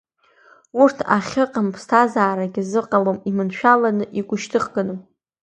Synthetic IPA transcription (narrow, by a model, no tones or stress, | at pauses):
urtʰaχʲɨqʼampʰstʰazaːɾaɡʲɪzɨqʼalomimɨnʃᶣalanɨʔiɡʷʼʊʃtʰɨχɡɨnɨm